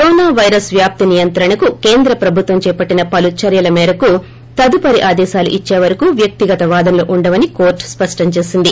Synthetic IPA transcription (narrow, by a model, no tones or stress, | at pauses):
kɾoːnaːʋɐjɾɐsʋjaːp̚t̪inijɐnt̪ɾɐɳɐkuke̞ːnd̪ɾɐpɾɐbʱut̪ʋɐmt͡ʃɛːpɐʈːinɐpɐlut͡ʃɐɾjɐlɐmɛːɾɐku | t̪ɐd̪upɐɾiʔaːd̪ɛːʃaːlṵʔit͡ʃːeːʋɐɾɐkuːʋjɐk̚t̪iɡɐt̪ɐʋaːd̪ɐmloːʔuɳɖɐʋɐnikoːɾʈspɐʂʈɐɲt͡ʃe̞ːsind̪i